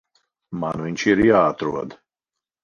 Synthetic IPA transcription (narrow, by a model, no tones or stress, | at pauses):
manviɲʲʃiɾjaːat̪ɾṵɔd̪